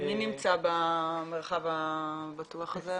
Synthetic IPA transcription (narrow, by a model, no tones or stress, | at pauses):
minimt͡sabameʁχavabatuaχaze